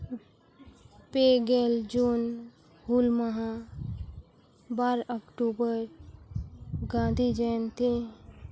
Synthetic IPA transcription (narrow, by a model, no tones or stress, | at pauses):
peɡeːld͡ʒuːn | ɡulməɦã | baːɾəkʈuːbəɾ | ɡãːd̪ʱid͡ʒɛnt̪ʰi